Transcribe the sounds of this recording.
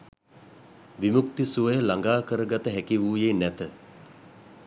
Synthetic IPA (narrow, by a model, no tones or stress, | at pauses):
ʋimuk̚t̪isuʋəjəlaŋɡaːkəɾəɡat̪əɦækiʋuːjeːnæt̪ə